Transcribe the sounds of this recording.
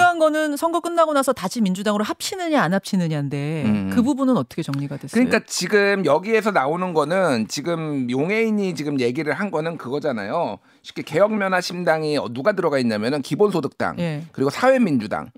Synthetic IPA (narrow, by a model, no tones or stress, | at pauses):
ɦanɡʌnɯnsʰʌŋɡʌk͈ɯnːaɡonasʰʌtaɕʰimind͡ʑudaŋɯɾoɦap̚ɕʰinɯɲaːnɦap̚ɕʰinɯɲande̞kɯbubunɯnʌt͈ʌkʰe̞t͡ɕʌŋɲiɡadwes͈kɯɲik͈at͡ɕiɡɯmjʌɡie̞sʰʌnaonɯnɡʌnɯnt͡ɕiɡɯmjoŋɦe̞iɲit͡ɕiɡɯmje̞ɡiɾɯɭhanɡʌnɯnkɯɡʌd͡ʑana̰jo | ɕʰi̥k͈eke̞jʌŋmjʌnaɕʰimdaŋiʌnuɡatɯɾʌɡaiɲːamjʌnɯnkibonsʰodɯk̚t͈a̰ŋje̞kɯɾiɡosʰawe̞mind͡ʑuda̰ŋ